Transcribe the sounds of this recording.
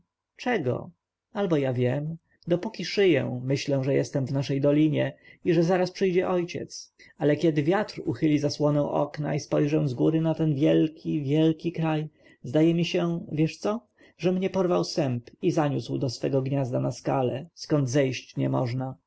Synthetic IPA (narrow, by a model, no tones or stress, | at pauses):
t͡ʂɛɡɔ̰ | albɔjavʲjɛm | d̪ɔpukʲiʂɘjɛ̰̃mɘɕlɛw̃ʐɛjɛ̰st̪ɛmvnaʂɛjd̪ɔlʲiɲɛiʐɛzaɾaspʂɘjd͡ʑɛʔɔjt͡ɕɛ̰t̪s | alɛkʲjɛd̪ɘvʲjat̪ɾuxɘlʲizaswɔnɛ̃w̃ʔɔ̰kna̰ispɔjʐɛ̃zɡuɾɘnat̪ɛnvʲjɛlkʲivʲjɛlkʲikɾaj | zd̪ajɛmʲiɕɛvʲjɛʂt̪sɔ | ʐɛmɲɛpɔɾvawsɛmpizaɲuswd̪ɔsfɛɡɔɡɲazd̪anaskalɛskɔnd̪zɛjɕt͡ɕɲɛmɔ̰ʐna